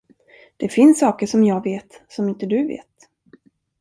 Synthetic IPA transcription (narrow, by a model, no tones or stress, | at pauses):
d̪̥ɛfɪnsːɑːkəʂɔmjɑːɡveːt̪sɔmɪnt̪əd̪ɵvḛːt̪